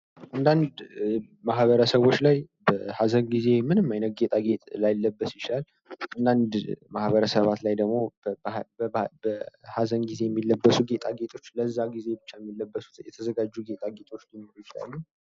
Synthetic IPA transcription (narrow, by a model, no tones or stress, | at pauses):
ʔand̪and̪ | mahβəɾəsəβo̞t͡ʃːlajbəhazənɡize̞mɨnɨmːajnət̪̚ɡet̪ʼaɡe̞t̪ʼlajlːəbːəsjɪt͡ʃilal | ʔand̪and̪mahβəɾəsəβat̪lajd̪əɡmo̞ | əbəhazənɡize̞jɛmːilːəbːəsuɡe̞t̪ʼaɡet̪ʼʰo̞t͡ʃːləzːaɡize̞bɨt͡ʃːajɛmːilːəbːəsu̥t̪jɛt̪ʰəzəɡad͡ʒːuɡe̞t̪ʼaɡet̪ʼo̞t͡ʃːlinoɾujɪt͡ʃila̰lːu